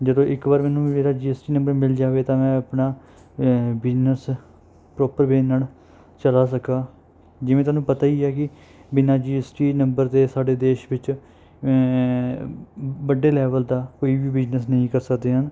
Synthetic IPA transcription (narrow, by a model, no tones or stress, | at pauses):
d͡ʒəd̪õːʔɪkbaːɾmɛːnũːmeːɾaːd͡ʒiːɛːsʈiːnə̃mbəɾmɪld͡ʒaːʋeːt̪ãːmɛ̃ːəpnaː | bɪd͡ʒnəs | pɾɔːpəɾbeːnːaːl | t͡ʃəlaːs̬əkaː | d͡ʒɪʋẽt̪ʊaːnũːpət̪aːiːɛːk̬ɪ | bɪnaːd͡ʒiːɛsʈiːnəmbəɾd̪eːsaːɖeːd̪eːʃʋɪt͡ʃ | bəɖːeːlɛːʋəld̪aːkoːiːʋiːbɪd͡ʒnəsnəĩːkəɾsəkd̪eːɦən